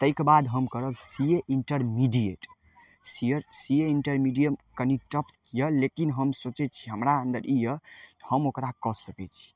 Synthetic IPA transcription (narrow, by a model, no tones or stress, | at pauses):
t̪əjkebad̪ɦəmkəɾəbsijeʔiɳʈəɾmiɖijeʈ | siesijeiɳʈəɾmiɖijəmkəniʈəpkjəlekinɦəmsot͡ʃɛt͡ʃʰiɦəmɾaənd̪əɾijəhəmokɾakɔsəkɛt͡ʃʰi̥